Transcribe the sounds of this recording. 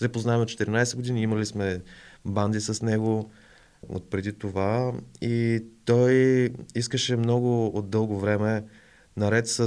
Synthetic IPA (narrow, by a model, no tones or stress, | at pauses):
sɛpoznaɛmot̪t͡ʃːɛ̥t̪ɛɾinajsɛɡod̪iniiməlismɛband̪isəsnɛɡo | o̰t̪̚pɾɛd̪it̪ovait̪ɔjiskəʃɛmnɔɡʊod̪̚d̪ːɤlˠɡovɾɛmɛ | nɐɾɛt̪sə